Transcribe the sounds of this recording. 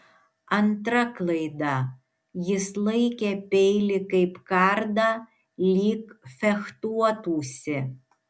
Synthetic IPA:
ɐnt̪ɾɐklˠɐɪd̪ɑ | jɪslˠɐɪkʲɛpʲɛɪlʲɪkɐɪpkɑɾd̪ɑ | lʲiːkfʲɛxt̪uɔt̪uːsʲɪ

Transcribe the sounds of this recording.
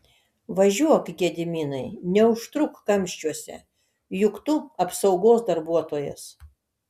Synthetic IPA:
ʋɐʒʲuɔkɡʲɛd̪ʲɪmʲiːnɐɪnʲɛʊʃt̪ɾʊkːɐmʲʃʲt͡ʃʲuɔsʲɛ̰ | jʊkt̪ʊɐpsɒʊɡoːsd̪ɐɾbuɔt̪oːjɛ̰s

